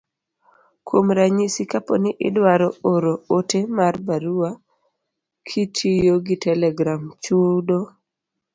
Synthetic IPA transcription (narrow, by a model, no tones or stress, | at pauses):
kʰwomɾaɲisikaponɪʔɪdwaɾɔoɾootemarbaɾua | kʰitʰijoɡitɛlɛɡɾamt͡ʃudo